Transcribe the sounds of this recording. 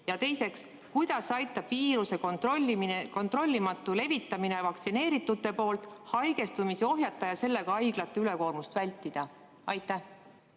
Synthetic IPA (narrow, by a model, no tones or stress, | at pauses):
jɑt̪e̞jse̞ks | kujd̪̥ɑsɑjt̪ːˑɑb̥viːɾuse̞kont̪rolʲːimko̞nt̪ro̞lʲːimɑt̪ːˑule̞vit̪ːˑɑmine̞vɑk̚t̪sine̞ːɾit̪ːˑut̪ːˑe̞po̞ːlt̪ˑhɑjɡ̥e̞st̪umiseo̞ɦjɑt̪ˑːɑjɑse̞lːe̞ɡ̥ɑɑjɡlɑt̪ːˑeyle̞ko̞ːrmust̪vælʲt̪ːˑid̪̥ɑ | ɑjt̪ːˑæh